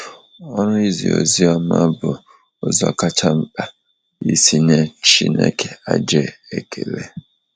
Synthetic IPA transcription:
ɔ˦ɾʊ˦i˦zḭ˨o̰˨zi˦a˦ma˦bʊ˨ | ʊ˨za̰˨ka˦t͡ʃa˦m̩˦ɓa˨ | i˦si˦ne˦t͡ʃi˦nḛ˦kʰe˨a˨d͡ʒe˦e˨kʰe˨ɾe˦

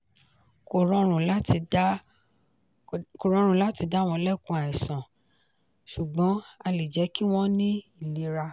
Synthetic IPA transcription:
ko˨ɾɔ˧ɾ̃ũ˨la˦ti˧˦ | ko˨ɾɔ̃˧˦ɾũ˨la˦ti˧da˦˨w̃ɔ̃˧lɛ˦˨kũ˧a˨ɛ˨sã˨ | ʃu˨ɡ͡bɔ̃˨˦a˧li˨d͡ʒɛ˨˦ki˦w̃ɔ̃˦nĩ˦i˦˨le˨˦ɾa˧

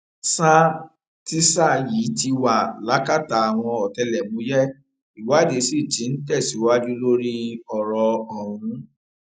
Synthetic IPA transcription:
sa˦ | ti˦sa˦ji˨˦ti˧wa˨la˨˦ka˦˨ta˨˦a˨w̃ɔ̃˧ɔ˨tɛ˧lɛ˨mũ˨˦jɛ˦ | i˨wa˨˦˨de˨˧˦si˦˨d͡ʒĩ˨˦n̩˦tɛ˦˨si˨˦wa˦d͡ʒu˦lo˦ɾi˦ɔ˨ɾɔ˧ɔ˨ɾũ˨˦

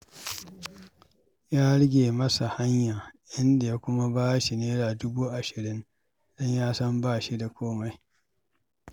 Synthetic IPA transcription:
jaː˦ɽɪ˦ɡʲeː˨mɐ˦sa˨ha˦ɲjaː˨ʔɪ˦nda˨ja˦kʷʊ˦ma˦baː˦ʃi˨neː˦ɽaː˨dʊ˦buː˦ʔa˨ʃɪ˨ɾɪ˦n | d̥ɔ˦ɲjaː˦sɐ˦mbaː˦˨ʃi˦da˨kʷoː˦ma˨j

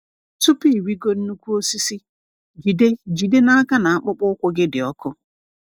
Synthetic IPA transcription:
tu˦pi˦˨wi˦ɡo˦n̩˦nu˦kʷu˦o˦si˦si˦ | ɡi˨de˦d͡ʒi˨de˦na˦a˦ka˦na˨a˦k͡pʊ˦k͡pʊ˦kʷʊ˦ɡɪ˦dɪ˨ɔ˦kʊ˦

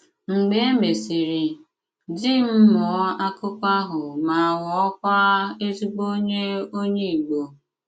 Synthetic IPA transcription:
ŋ͡m̩˨ɡ͡be˦me˨si˨ɾi˨ | d͡ʒi˦m̩˦mɔ˨˦a˦kʊ˦kʷa˦ɦʊ˨ma˨wɔ˨ɔ˦kʷa˦e˦tu˦k͡po˦ɲe˦o˦ɲe˦i˨ɡ͡bo˨

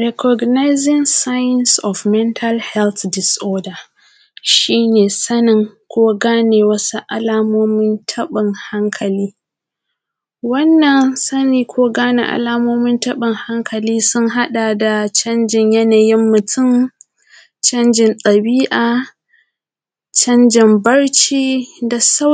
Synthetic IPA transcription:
ɾɛ˨kʰɔ˨ɡna˦jzɪ˦ŋsa˦jɪ˦nsɔ˨fmɛ˦ntʰa˦lhɛ˦lt̪dɪ˨sʔoː˦da˨ | ʃiː˦neː˨sɐ˦nɪ˨ŋkʷoː˦ɡaː˦neː˨wɐ˦su˦ʔa̰˨laː˦moː˦mɪ˦ntʰɐ˦ɓɪ˨ŋha˦ŋkʰɐ˨liː˦ | wɐ˦nːɐ˨nsɐ˦niː˨kʷoː˦ɡaː˦nḛ˨ʔa̰˨laː˦moː˦mɪ˦ntɐ˦ɓɪ˨ŋha˦ŋkʰɐ˨liː˦sʊ˦ŋɦa˦ɗa˨da˨t͡ʃɐ˦nd͡ʒɪ˨ɲjɐ˦na˨jɪ˦mːʊ˨tʊ˦˨m | t͡ʃɐ˦nd͡ʒɪ˨ntʼɐ˨biː˦ʔaː˨ | t͡ʃɐ˦nd͡ʒɪ˨mbɐ˦ɽt͡ʃiː˦da˨sa˦

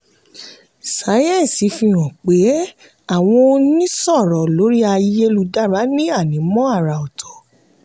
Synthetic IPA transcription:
sa˨˦jɛ̃˦˨n˨si˨˦fĩ˧ɾ̃ɔ̃˨k͡pe˨˦ | a˦˨w̃ɔ̃˧nĩ˦sɔ˦˨ɾɔ˨lo˨˦ɾi˦a˧je˦lu˧da˦˨ɾa˨˦nĩ˦a˦˨nĩ˨˦mɔ̃˦a˦˨ɾa˨ɔ˨tʰɔ̥˨˦

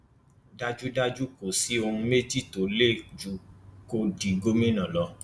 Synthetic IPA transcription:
da˦d͡ʒu˦da˦d͡ʒu˦ko˨si˨˦o˧hũ˧me˦d͡ʒi˦˨to˨˦le˦˨d͡ʒu˨ko˧di˨ɡo˦me˦nã˨lɔ˧˦

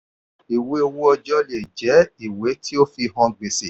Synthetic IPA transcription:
i˨we˧o˧wo˦ɔ˧d͡ʒɔ˦le˨d͡ʒɛ˨˦i˨we˨˦tʰi˦o˦fi˧ɦɔ̃˧ɡ͡be˨se˨

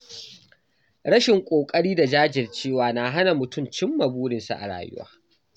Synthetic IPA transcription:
ɽɐ˦ʃɪ˨ŋkʷʼoː˨kʼɐ˦ɽiː˦da˨d͡ʒaː˦d͡ʒɪ˨rt͡ʃeː˦˨waː˨na˨ɦa˦na˨mʊ˨tʊ˦˨mt͡ʃɪ˦mːɐ˨buː˦ɽɪ˨nsa̰˨ʔa̰˨ɽa̰ː˨jʊ̰˦wa̰ː˦

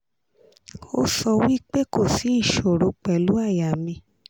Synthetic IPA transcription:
o̰˦sɔ˧wi˦k͡pe˦ko˦˨si˨˦i˦˨ʃo˨ɾo˧˦k͡pɛ˨lu˨˦a˦˨ja˨mĩ˧

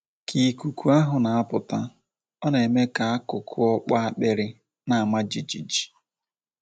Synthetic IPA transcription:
kʰi˨ku˨kʰu˦a˦ɦʊ˨na˨a˦pʊ˨ta˦ | ɔ˦ne˨me˦ka˨a˦kʊ˨kʰʊ˦ɔ˦k͡pa˦a˦k͡pe˦ɾɪ˦ | na˨a˨ma˦d͡ʒi˨d͡ʒi˨d͡ʒi̥˨

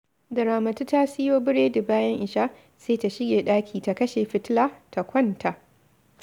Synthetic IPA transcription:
dɐ˨ɾaː˨mɐ˨tu˦ta˦sɪ˦joː˦bɪ˦ɽeː˦dɐ˨baː˦jɐ˦ŋʔɪ˨ʃaː˦ | seː˦ta˨ʃɪ˦ɡʲeː˨ɗaː˦kʲʰiː˨ta˨kɐ˦ʃeː˨ɸɪ˦tlaː˦ta˨kʷɐ˦nta˨ʔ

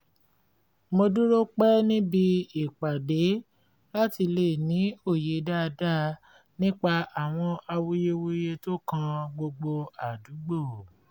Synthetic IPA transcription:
mo˧du˦ɾo˦k͡pɛ˦nĩ˦bi˧i˦˨k͡pa˨de˨˦ | la˦ti˧le˦˨nĩ˨˦o˦˨je˨˦da˦˧da˦ | nĩ˦k͡pa˧a˨w̃ɔ̃˧ʔa˧wu˦je˦wu˦je˧to˦kã˧ɡ͡bo˧ɡ͡bo˧a˨du˨˦ɡ͡bo˦˨

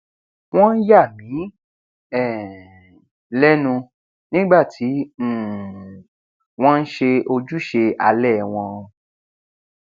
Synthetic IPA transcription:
w̃ɔ̃˦n̩˦ja˦˨mĩ˨˦ | ɛ˦˨ | lɛ˦nũ˧ | nĩ˦ɡ͡ba˦˨tʰi˨˦˨ | w̃ɔ̃˦n̩˦ʃe˧o˧d͡ʒu˦ʃe˧a˧lɛ˦˨w̃ɔ̃˧

